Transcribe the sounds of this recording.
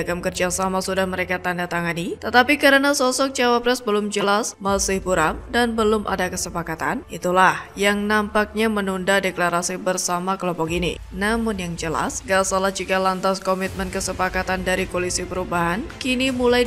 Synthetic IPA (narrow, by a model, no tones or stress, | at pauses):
kamkərd͡ʒasamasudahməɾekat̪andat̪aŋanit̪ət̪apikəɾənasɔsɔk̚d͡ʒawapɾɛsbəlʊmd͡ʒəlasməlsɪhbuɾamdanbəlʊmʔa̰dakəsəpakat̪a̰nʔit̪ulahjaŋnampak̚ɲamənundadeklaɾasibərsamakəlɔmpɔkinḭ | namʊnjaŋd͡ʒəla̰sɡasalahd͡ʒikalant̪askɔmit̪̚mənkəsəpakat̪andaɾikolisipəɾubaɦankinimula